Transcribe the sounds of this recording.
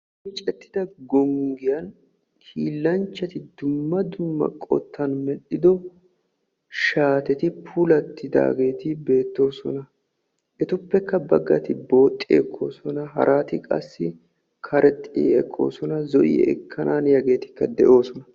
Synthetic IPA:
ɪt͡ʃʼɛt̪ːɪ̥d̪ɐɡɔŋɡɪjɐn | kʰiːlːɐnt͡ʃːɐt̪ɪd̪ʊmːɐd̪ʊmːɐ̰kʼɔ̰t̪ːɐnmɛɗɪd̪ɔ | ʃaːt̪ɛt̪ɪpʰʊlɐt̪ːɪd̪a̰ːɡe̞ːt̪ɪbe̞ːt̪ːo̞ːsɔ̰nɐ | ʔɛt̪ʊpːɛkːɐbɐɡːɐt̪ɪbo̞ːt̪ʼːɪɛ̰kʰːo̰ːsɔnɐɦɐ̰ɾʔaːt̪ɪkʼɐ̰sːɪ | kʰɐɾʔɛt̪ʼːɪ̰ɛkʼːo̰ːsɔnɐzɔʔɪ̰ɛ̰kʰːɐnʔaːnjɐɡe̞ːt̪ɪ̥kːɐd̪ɛʔo̞ːsɔnɐ

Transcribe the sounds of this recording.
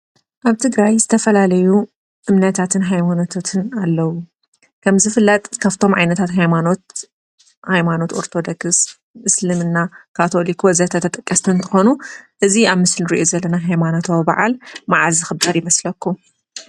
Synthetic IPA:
ʔaβt̪ʰɨɡɾajzɨt̪ʰɐfɐlalɐju | ʔɨmnɐt̪ʰat̪ʰɨnɦajmano̞t̪ʰot̪ʰɨnalːɐwu | kʰɐmzɨfɨlːɐt̪ʼkʰaft̪ʰo̞mʕa̰jnɐt̪ʰat̪ɦajmano̞t̪̚ | hajmano̞t̪o̞ɾt̪ʰo̞d̪okɨs | mɨslɨmɨnːakʰat̪ʰo̞likwɐzɐt̪ʰɐt̪ʰɐt̪ʼɐkʼːɐst̪ʰɨnt̪ʰɨxo̞nuʔɨziaβmɨslɨɾiʔozɐlːɐnaɦajmano̞t̪ʰaβɨba̰ʕa̰lmaʕazɨxɨbaɾjɪmɐslɐkʰːu

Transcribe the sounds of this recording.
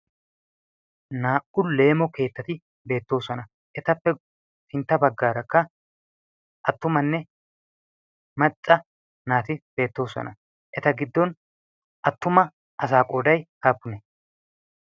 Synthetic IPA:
naːʔʊlle̞ːmɔke̞ːt̪ːɐt̪ɪ | be̞ːt̪ːo̞ːsɔnɐ | ʔɛt̪ɐpːɛ | fɪnt̪ːɐbɐɡːaːɾɐkːɐ | ʔɐt̪ːʊmɐnːɛ | mɐt͡sʼːɐ | naːt̪ɪb̥e̞ːt̪ːo̞ːsɔ̰nɐ | ʔɛt̪ɐɡɪd̪ːɔn | ʔɐt̪ːʊmɐ | ʔɐs̬aːkʼo̞ːd̪ɐjhaːpːʊnɛ

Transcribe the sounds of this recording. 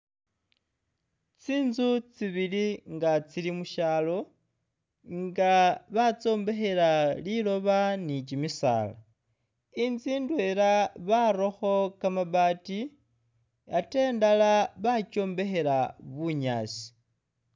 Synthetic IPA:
t͡siːnzut͡siβiliŋɡat͡silimuʃaːlo̞ | ŋɡaβat͡so̞ːmbe̞xe̞ɾalilo̞βanit͡ʃimisa̰ːla | inziːndwe̞ɾaβaɾo̞xo̞kamaβaːti | ate̞ːndalaβaco̞ːmbe̞xe̞ɾaβuɲa̰ːsi̥

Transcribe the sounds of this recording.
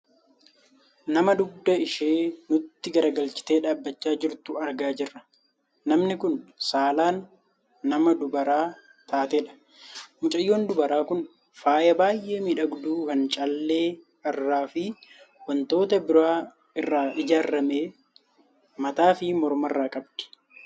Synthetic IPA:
nɐmɐd̪ʊb̚d̪ɐɪʃeːnʊt̪ːɪɡɐɾɐɡɐlt͡ʃɪ̥t̪e̞ːᶑaːbːɐt͡ʃːaːd͡ʒɪɾt̪ʊɐɾɡaːd͡ʒɪrːɐ | nɐmnɪkʊnsaːlaːnː | ɐmɐd̪ʊbɐɾaː | t̪ʰaːt̪eᶑɐ̥ | mʊt͡ʃʼɐjːoːnd̪ʊbɐɾaːkʊn | faːjɐbaːjʔe̞ːmiːᶑɐɡd̪uːkɐnt͡ʃʼɐlːe̞ː | ɐrːaːfɪ | wɐnt̪o̞ːt̪ɐbɪɾaː | ɪrːaːʔɪd͡ʒaːɾːɐmeː | mɐt̪aːfɪmɔɾmɐrːaːkʼɐbd̪̥ɪ̥

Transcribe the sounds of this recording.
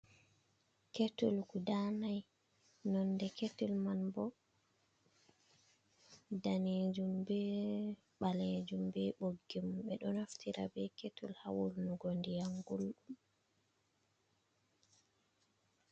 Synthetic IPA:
ketulɡudanaj | nɔnːdɛketulmanbɔ | daned͡ʒumbɛ | ɓaled͡ʒumbɛɓoɡːimɓɛɗɔnaftʰiɾa̰bɛketʰṵlhawulnuɡondijaŋɡulɗum

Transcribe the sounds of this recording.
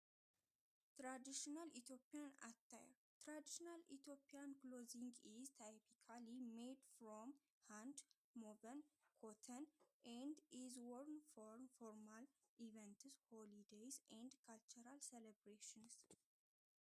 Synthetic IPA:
t̪ɾad̪iʃinalit̪ʰjopːijana̰t̪ʰːa̰jɾt̪ʰɾad̪iʃinalḭt̪ʰjopʰːiankloziŋɡizt̪ʰapʰikʰalimed̪fɾom | hant̪ | mobənkʰot̪ʰənʔɛnd̪izwɔɾnfoɾfoɾmal | ʔivɛnt̪ʰɨzholid̪ejzɛnd̪kʰalt͡ʃuɾalsɛlebɾeʃɪns

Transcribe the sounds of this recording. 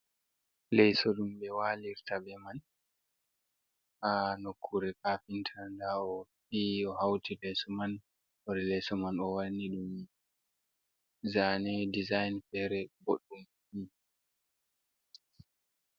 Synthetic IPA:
lɛjsɔɗumbɛwaliɾtabɛman | ʔanokʰːuɾɛkafintʰandaɔfiɔhawtilɛsɔman | ɔɾɛlɛsɔmanɔwanːiɗum | zanɛdizajnfɛɾɛboɗːum | fi

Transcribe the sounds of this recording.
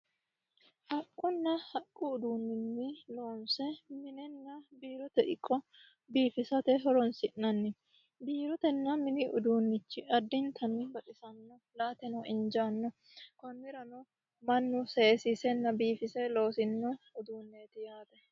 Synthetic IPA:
hɐkʼːʊnːɐhɐkʼːʊːd̪uːnːɪnːɪlo̞ːnsɛmɪnɛnːɐbiːɾɔt̪ɛʔɪkʼːɔ | biːfɪsɐt̪ɛɦɔɾɔnsɪʔnɐnːɪ | biːɾɔt̪ɛnːɐmɪnɪʔʊd̪uːnːɪt͡ʃːɪɐd̪ːɪnt̪ʰɐnːɪbɐᶑʼɪsɐnːɔ | laːt̪ɛnɔɪnd͡ʒanːɔ | kɔnːɪɾɐnɔ | mɐnːʊsɛsisɛnːɐbiːfɪsɛlo̞ːsɪnːɔʊd̪uːnːeːt̪ɪjaːb̪ɛ

